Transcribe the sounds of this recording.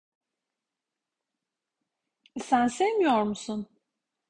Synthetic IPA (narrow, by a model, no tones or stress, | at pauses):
sænsemijoɾmusun